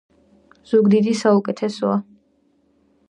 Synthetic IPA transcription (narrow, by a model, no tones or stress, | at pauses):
z̥uɡd̪id̪isaukʼɛt̪ʰɛsɔa